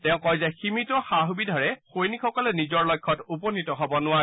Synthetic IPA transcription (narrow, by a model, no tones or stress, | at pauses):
tɛʊ̃kɔjzaximitɔxaɦubidʱɔɹɛxojnikxɔkɔlɛnizɔɹlɔjkʰːɔtupɔnitɔɦɔbɔnʊwaɹɛ